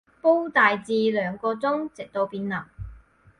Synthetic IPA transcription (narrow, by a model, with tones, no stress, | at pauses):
po˥wt̪aː˨jt͡siː˧lœː˨˧ŋkɔː˧t͡sʊ˥ŋt͡sɪ˨k̚t̪o˧wpiː˧nlɐ˨˩ŋ